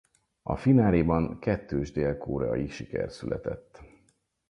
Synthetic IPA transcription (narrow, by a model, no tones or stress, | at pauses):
ɒ̰finaːliːbɒŋkɛt̪ːøːʒd̪eːlkoːɾɛɒiʃikɛ̰rsylʔɛt̪ɛt̪ː